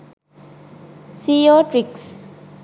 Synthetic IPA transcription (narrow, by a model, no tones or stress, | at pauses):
siɔʈɾiks